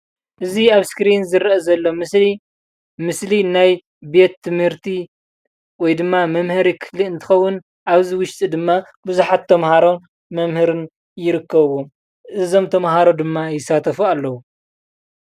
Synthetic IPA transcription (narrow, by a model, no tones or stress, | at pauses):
ʔɨziaβskɾinzɨɾɐʔɐzɐlːomsi | mɨslinaj | be̞t̪ʰːɨmhɨɾt̪ʰi | wɔjd̪ɨmːamɐmhɨɾikʰɨ̥fliɨnt̪ʰɨ̥xɐwːʊn | ʔaβziwʊʃt̪ʼid̪ɨmːa | bɨzuħat̪ʰːɐmhaɾo̞ | mɐmhɨɾɨn | jɪɾɨkːɐβwom | ʔɨzo̞mt̪ʰɐmɦaɾo̞d̪ɨmːajɪsːat̪ʰɐfualːɐwu